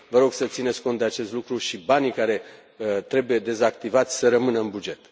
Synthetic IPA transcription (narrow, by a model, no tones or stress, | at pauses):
vəɾo̞ɡ̥sət̪sinesʲko̞nt̪d̪eat͡ʃe̞st̪lukɾuʃibanikaɾe̞ | ət̪ɾe̞buje̞d̪e̞zak̚t̪ivat̪sʲsəɾəmɨnəɨnbud͡ʒe̞t̪